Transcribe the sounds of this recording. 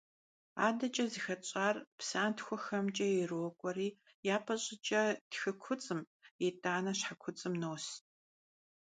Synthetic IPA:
a̰ːdɐt͡ʃʼɐzixɐt͡ʃʼaːrpsaːntxʷɔxɐmt͡ʃʼɐjɛrwɔkʷʼɔriː | jaːpʰʼɐɕʼɪt͡ʃʼɐd̥xɨkʷʰʊt͡sʼɨm | jɛtʼaːnɐɕħakʷʰʊt͡sʼɨmnoːs

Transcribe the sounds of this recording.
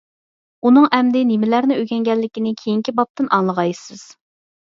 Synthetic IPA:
unɨŋɛmd̪ɪnimɪlæɾnɪøɡʲɛŋɡʲɛlːɪkʲinɪkʲʰejiŋkʲibɑp̚t̪ɨnɑŋlˠəʁɑjsɨz̥

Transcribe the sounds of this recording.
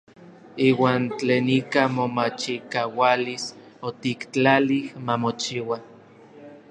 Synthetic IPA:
iːwaːnt͡ɬeːnikamomat͡ʃikawalis | ot̪ikt͡ɬalihmamot͡ʃiwa

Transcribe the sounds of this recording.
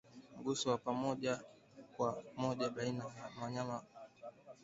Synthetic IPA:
m̩ɡusɔwapamɔʄa | kwamɔʄaɓainajamaɲama

